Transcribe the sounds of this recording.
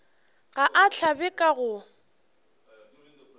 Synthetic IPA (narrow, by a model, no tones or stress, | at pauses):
ɣaʔat͡ɬʰabɛkʼaɣʊ